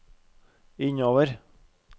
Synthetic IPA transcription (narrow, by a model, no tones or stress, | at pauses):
ɪɲoːʋəɾ